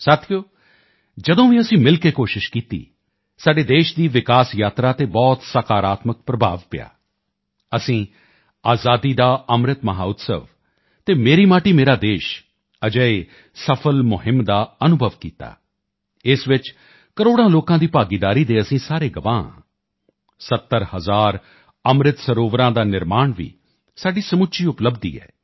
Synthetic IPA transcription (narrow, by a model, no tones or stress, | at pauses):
saːt̪ʰijoː | d͡ʒəd̪õːʋĩːəsĩːmɪlkeːkoːʃɪʃkiːt̪ḭː | saːɖeːd̪eːʃd̪iːʋɪkaːsjaːt̪ɾaːt̪eːbɔːt̪saːkaːɾaːt̪mək̚pɾəbʱaːʋpɪja̰ː | əsĩː | aːzaːd̪iːd̪aːəmɾɪt̪məɦaːʊt̪sə̰ʋ | t̪eːmeːɾiːmaːʈiːmeːɾaːd̪eːʃ | əd͡ʒəeː | səpʰəlmʊɦɪmd̪aːənʊbʱəʋkiːt̪a̰ː | ɪsʋɪt͡ʃ | kəɾoːɽãːloːkãːd̪iːpaːɡiːd̪aːɾiːd̪eːəsĩːsaːɾeːɡəʋãːã̰ː | sət̪ːəɾhəzaːɾ | əmɾɪt̪səɾoːʋɾãːd̪aːnɪɾmaːɳʋḭː | saːɖiːsəmʊʃiːʊpləbd̪ḭːɛ̰ː